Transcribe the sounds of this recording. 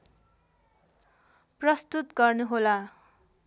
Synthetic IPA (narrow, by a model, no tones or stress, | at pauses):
prʌst̪ut̪ɡʌrnuɦola